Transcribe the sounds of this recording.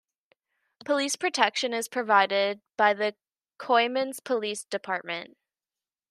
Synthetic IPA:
pʰəlispʰɹ̥ɨtʰɛkʃɨ̃nɨz̥pʰɹ̥ɨvaɪɾɪd̚b̥aɪðɨ | kʰɔɪmɨ̃nz̥pʰəlisd̥ɨpʰɑɹt̚mɨ̃nt

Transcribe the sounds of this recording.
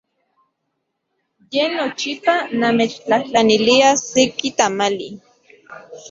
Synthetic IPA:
jenot͡ʃipanamet͡ʃt͡ɬaht͡ɬaniliasekit̪amalḭ

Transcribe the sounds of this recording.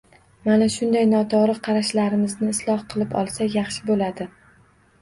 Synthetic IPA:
manaʃʊnd̪ajnɒt̪ʰɒɾɨqʰɑɾaʃlaɾɪmɪznɪːslˠɒhqʰɨlˠɪpɒ̰lˠsajɑχʃɪbolad̪ɪ

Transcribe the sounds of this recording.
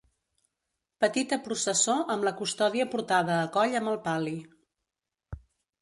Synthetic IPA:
pət̪it̪əpɾusəsoʔəmləkust̪ɔðiəpuɾt̪að̞əːkɔʎəmbəlˠpali

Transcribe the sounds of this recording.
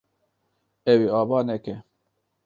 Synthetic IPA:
ɛwiɑːbɑːnɛkɛ

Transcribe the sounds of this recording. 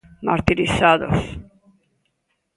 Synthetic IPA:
maɾt̪iɾisaðo̰s

